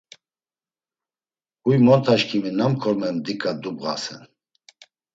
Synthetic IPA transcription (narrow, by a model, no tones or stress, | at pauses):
ujmɔnt̪ʰaʃkʰiminamkʰɔɾmɛnd̪ikʼad̪ubʁa̰sɛ̰n